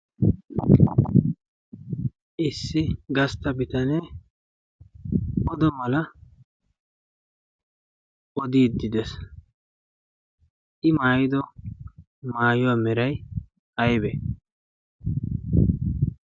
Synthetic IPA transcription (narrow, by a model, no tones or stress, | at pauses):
ʔɪsːɪɡɐst̪ɐbɪt̪ɐneː | ʔɔd̪ɔmɐlɐ | ʔɔd̪iːd̪ːɪd̪ɛs | ʔɪmaːjɪd̪ɔ | maːjʊwaːmɛɾɐj | ɐjbɛ